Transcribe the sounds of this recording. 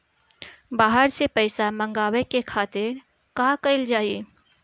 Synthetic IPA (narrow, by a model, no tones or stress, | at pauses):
baːɦəɾsepəɪsamə̃ŋɡaːwekekʰaːt̪ɪɾ | kaːkɐɪld͡ʒaːie